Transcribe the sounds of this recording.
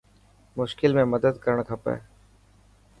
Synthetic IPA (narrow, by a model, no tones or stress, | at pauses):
mʊʃkɪlmẽməd̪əd̪kəɾəɳ̃k̪ʰɐpɛ̰ː